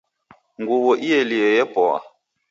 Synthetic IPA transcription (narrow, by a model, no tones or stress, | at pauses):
ŋɡuwɔʔiɛliɛjɛpɔa̰